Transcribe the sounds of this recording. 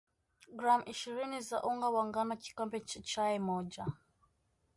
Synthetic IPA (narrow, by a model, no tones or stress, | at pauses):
ɡɾamʔiʃiɾinizaʔuŋɡawaŋɡanat͡ʃi̥kambɛt͡ʃit͡ʃajɛmɔd͡ʒa